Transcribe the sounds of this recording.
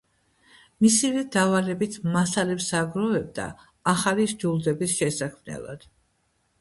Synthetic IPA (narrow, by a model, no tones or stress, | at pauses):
misivɛd̪avalɛbit̪ʰmasalɛpsaɡɾɔvɛb̚d̪a̰ː | χaliɾd͡ʒulˠd̪ɛbisʃɛsakʰmnɛ̰lˠa̰d̪̥